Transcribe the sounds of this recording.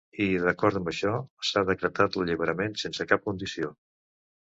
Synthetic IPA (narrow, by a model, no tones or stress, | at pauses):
iðəkɔɾt̪əmbəʃɔsaðəkɾət̪at̪ləʎiβ̞əɾəmensensəkap̚kund̪isio